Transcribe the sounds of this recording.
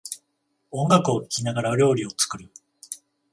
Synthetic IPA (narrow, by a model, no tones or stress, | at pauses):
õ̞ŋɡakɯ̟o̞kʲi̥kʲinaɡaɾaɾʲo̞ːɾʲio̞t͡sɨ̥kɯ̟ɾɯ̟